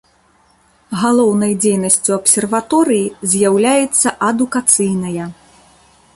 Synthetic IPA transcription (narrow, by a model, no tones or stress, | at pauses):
ɣalˠɔwnɐjd͡zʲejnɐsʲt͡sʲuɐpsʲɛrvat̪ɔɾɨjizʲjawlʲajɛt̪sːɐʔɐd̪ukat̪sɨjnɐjɐ